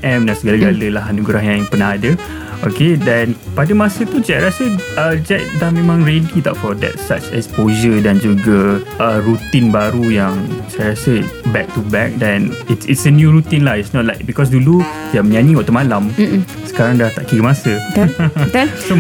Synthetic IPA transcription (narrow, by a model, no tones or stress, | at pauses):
ʔɛmdasəɡalaɡaləlaɦanuɡɾaɦɲãŋpənahadə | okedɛ̃npadəmasət̪ud͡ʒɛk̚ɾasəəd͡ʒɛk̚dahmẽmãŋɹedit̪a̰ʔfɔdɛ̰t̚sa̰t͡ʃɛ̰spoʒədand͡ʒuɡəəɾut̪inbaɾujaŋsajɾasəbɛk̚t̪ubɛk̚dɛ̃nitsḭtsənjuɹut̪inlahitsnɔt̚laɪk̚bikɔs̬dulu | aməɲãnĩwaʔt̪əmalam | sə̥kaɾaŋdaht̪aʔkiɡəmasə | so